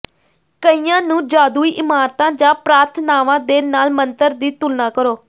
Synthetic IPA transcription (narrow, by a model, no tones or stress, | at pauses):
kəiːãːnũːd͡ʒaːd̪uːiːʔɪmaːɾt̪ãːd͡ʒãːpɾaːɾt̪ʰnaːʋãːd̪eːnaːlmənt̪əɾd̪iːt̪ʊlnãːkəɾoː